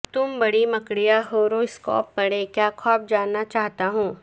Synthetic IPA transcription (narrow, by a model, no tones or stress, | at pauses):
t̪ʊmbɐɽimɐkɽijaɦoːɾoɪskɔ̰ːpːɐɽeːkjaːkʰɔːp̚d͡ʒaːnːat͡ʃaːɦt̪aɦõː